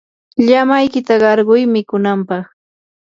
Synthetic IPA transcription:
ʎamajkɪt̪aɢɑɾɢʊjmɪkʊnampɑχ

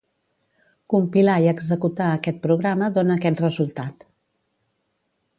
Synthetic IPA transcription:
kumpilaiəɡzəkut̪aəkɛt̪̚pɾuɣ̞ɾaməðonəːkɛt̪rəzulˠt̪at̪

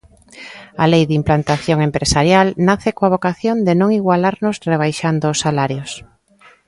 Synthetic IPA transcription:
alejðimplant̪aθjoŋempɾesaɾjalnaθekoaβ̞okaθjõnd̪enõŋiɣwalaɾnʊzreβ̞ajʃand̪oːsːalaɾjos

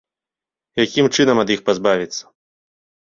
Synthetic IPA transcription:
jakʲimt͡ʂɨnɐmɐd̪jixpazbavʲit̪sːɐ̥

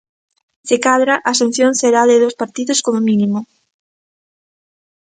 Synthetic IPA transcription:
sekaðɾaʔasen̟θjonseɾaðeðospaɾt̪iðoskomominimʊ

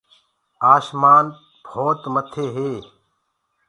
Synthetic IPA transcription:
aːʃmaːn | b̥ʱoːt̪mɐt̪ʰeːɦeː

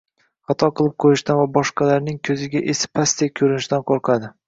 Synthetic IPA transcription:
χɑt̪ʰɒqʰɨlˠɪp̚qʰojɪʃt̪anvabɒʃqʰɑlaɾnɪŋkʲʰɵzɪɡʲaʔesɪ̥pʰast̪ʰekʲʰɵɾɪnɪʃt̪anqʰoɾqʰɑd̪ɪ

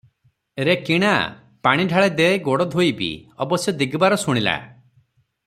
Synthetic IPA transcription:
ɾekiɽ̃a | paɽ̃iɖʱaɭed̪eeɡoɽɔd̪ʱojbḭɔ̰bɔsjɔd̪iɡbaɾɔsuɽ̃ila̰

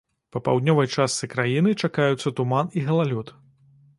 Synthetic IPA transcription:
pɐpawd̪ʲnʲɔvɐjt͡ʂast̪sɨkɾajinɨt͡ʂakajut̪sːɐt̪umaniɣɐlˠalʲut̪

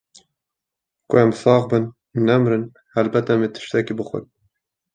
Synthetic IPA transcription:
kʊæmsɑːɣbɨn | nːɛmɾɨn | hælbɛt̪ɛmet̪ʰɨ̥ʃt̪ɛkibɨxʷʊ̰d̪̚

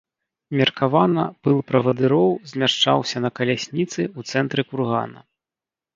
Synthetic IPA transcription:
mʲɐrkavanɐpɨlˠpɾɐvɐd̪ɨɾɔwzʲmʲaʂt͡ʂa̰wsʲɐnɐkɐlʲasʲnʲit̪sɨut̪sɛnt̪ɾɨkurɣa̰nɐ̰

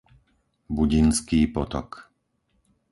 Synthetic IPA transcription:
buɟinskiːpɔt̪ɔ̰k

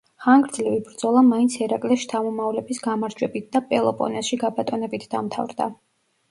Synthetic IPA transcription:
χaŋɡɾd̪zlɛvibɾd̪zɔlˠamaint̪sʰɛɾakʼlɛʃt̪ʰamɔmavlɛbisɡamaɾd͡ʒwɛbit̪̚ʰd̪apʼɛlˠɔpʼɔ̰nɛsʃiɡabat̪ʼɔnɛbit̪ʰd̪amt̪ʰa̰vɾd̪a̰

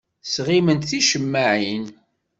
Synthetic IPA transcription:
sʁimənt̪θiʃəmːaʕin

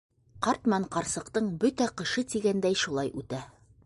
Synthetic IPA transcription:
qɑɾt̪mɑɴqɑɾsɤ̆qt̪ɤɴbɵt̪æqɤ̆ʃɤt̪iɡænd̪æjʃulˠɑjʉt̪æ

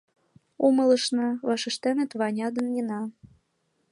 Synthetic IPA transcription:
umɤlɤ̆ʃnɤ̆βɑʃə̆ʃt̪enə̆t̪βɑnʲɑd̪ə̆njinɑ

